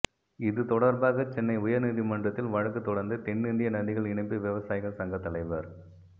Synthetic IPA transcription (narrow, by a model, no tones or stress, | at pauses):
ɪðɯt̪ɔɽɐɾbaːɣɐt͡ʃɛnːɐɪʊjɐɾniːðimɐndrɐt̪ːɪlʋɐɻɐkːɯt̪ːɔɽɐɾnd̪ɯt̪ɛnːɪnd̪ɪjɐnɐnd̪ɪɣɐɭɪɳɐɪpːɯʋɛʋɐsaːjɪɣɐɭsɐŋɡɐt̪ːɐlɐɪʋɐɾ